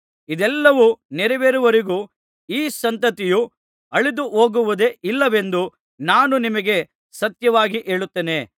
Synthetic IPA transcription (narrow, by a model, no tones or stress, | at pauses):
id̪ɛlːɐʋunɛɾɛʋeɾuʋɐɾiɡuː | iːsɐnt̪ɐt̪iju | ɐɭid̪uɦoːɡuʋud̪eʔilːɐʋe̞nd̪u | naːnunimɐɡe̞ | sɐt̪jɐʋaːɡiʔe̞ːɭut̪ːeːne̞